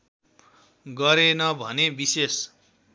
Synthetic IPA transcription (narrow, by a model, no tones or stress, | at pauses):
ɡʌɾenʌbʱʌnebises